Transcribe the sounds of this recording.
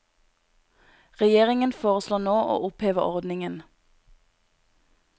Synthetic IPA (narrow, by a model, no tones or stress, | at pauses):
ʁɛjeːʁɪŋənfoːʁəsloːnoːʔo̰ːʔʊpheːʋəʁɔʁd̪nɪŋən